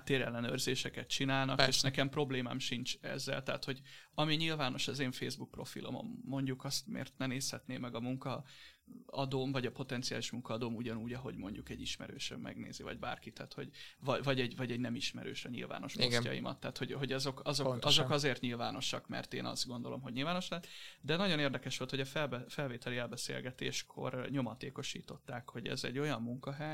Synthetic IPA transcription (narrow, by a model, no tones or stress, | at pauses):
at̪ːeːɾɛlːɛnøːrzeːʃɛkɛt̪t͡ʃinaːlnɒkeːʃnɛkɛmpro̞bleːma̰ːmʃint͡ʃɛ̰zːɛ̰lt̪ɛːt̪ho̞ɟɒmiɲilvaːno̞ʃɛzeːɱfeːzbuk̚pro̞fḭlʔo̰mo̰mːo̞ɲɟukɒst̪mḛːrt̪nɛneːshɛt̪neːmːɛɡɒmuŋkɒ | ɒd̪oːmvɒɟɒpo̞t̪ɛnt̪siaːliʃmuŋkɒːd̪oːmuɟɒnuːɟɒɦo̞̰ɟmo̞ɲɟukɛɟiʃmɛ̰ɾøːʃø̰mmɛ̰ɡnḛːzivɒ̰ɟba̰ːrkit̪aːt̪ho̞ɟvɒvɒɟɛɟvɒɟɛɟnɛmiʃmɛ̰ɾøːʃɒɲḭlva̰ːno̞ʃmotːjɒ̰jḭmɒ̰t̪ːaːt̪ho̞ɟɦo̞ɟɒzo̞kɒzokɒzo̞kɒzeːrt̪ɲilvaːno̞ʃɒkmɛ̰rt̪eːnɒ̰zd̪ɡo̞nd̪o̞lo̞̰mɦo̞ɟɲilvaːno̞ʃlɛɛt̪d̪ɛnɒɟo̞neːrd̪ɛkɛʃʋo̞lt̪ho̞ɟɒfɛbfɛlveːt̪ɛliɛlbɛsḛːlɡɛt̪ḛːʃkʰo̞̰rɲo̞mɒt̪eːko̞ʃḭːt̪o̞t̪ːaːkho̞ɟɛ̰zɛ̰ɟːo̞jɒmːuŋkɒɦɛj